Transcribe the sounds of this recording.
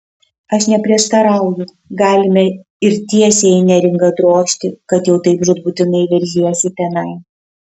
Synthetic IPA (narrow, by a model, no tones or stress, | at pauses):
ɐʃnʲɛpʲɾʲiɛʃt̪ɐɾɐˑʊjʊ | ɡɑːlʲɪmʲɛ | ɪɾt̪ʲiɛsʲeːɪnʲɛɾʲɪŋɡɐd̪ɾoːʃʲt̪ʲɪkɐt̪jɛʊt̪ɐɪpʒʊt̪buːt̪ʲɪnɐɪʋʲɛɾʲʒʲiɛsʲɪt̪ʲɛnɐɪ